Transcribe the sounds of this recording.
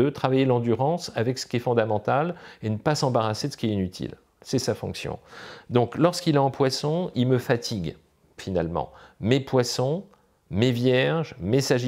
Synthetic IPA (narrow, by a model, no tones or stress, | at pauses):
ət̪χavajelɑ̃d̪yʁɑ̃savɛksə̥kʲiɛfɔ̃d̪amɑ̃t̪alenəpasɑ̃baʁased̪əsə̥kiɛinyt̪ʰḭl | sɛsafɔ̰̃ksjɔ̰̃d̪ɔ̃klɔʁskilaɑ̃pwasɔ̃ilməfat̪ʰiɡ | fina̰lmɑ̰̃mepwasɔ̃ | mevjɛʁʒmesaʒ